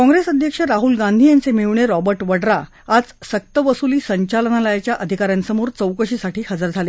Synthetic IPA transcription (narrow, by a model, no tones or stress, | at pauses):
kɔ̃ŋɡɾesəd̪ʱjəkʂəɾaɦulɡãnd̪ʱiːjant͡semiʋɳeɾɔbəɾʈʋəɽɾa | ad͡zsək̚t̪əʋəsuliːsəɲt͡ɕalənaləjat͡ɕjaʔəd̪ʱikaɾjãnsəmoɾt͡səwkəɕiːsaʈʰiːhəd͡zəɾd͡zʱale